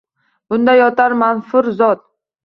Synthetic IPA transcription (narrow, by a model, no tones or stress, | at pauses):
b̥ʊnd̪ajɒt̪ʰaɾmanfʊɾzɒt̪̚